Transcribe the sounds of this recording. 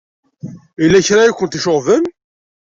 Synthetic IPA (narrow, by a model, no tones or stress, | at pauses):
ilːæçɾajækʷːənt̪iʃoʁðəm